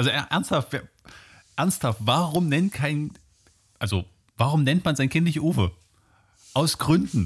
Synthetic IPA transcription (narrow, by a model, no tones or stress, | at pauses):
ʔalzoʔɛʔɛɐnsthaftja | ʔɛɐnsthaftv̥aːʁʊmnɛntkʰaɪn | ʔalzo | vaːʁʊmnɛntmanzaɪnkʰɪntlɪçʔoːfə | ʔaʊsɡ̥ʁʏndn̩